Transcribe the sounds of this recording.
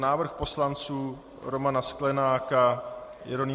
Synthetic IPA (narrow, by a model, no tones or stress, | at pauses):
naːvr̩xpo̞slant͡suː | ɾomanasklɛnaːkajɛ̰ɾoni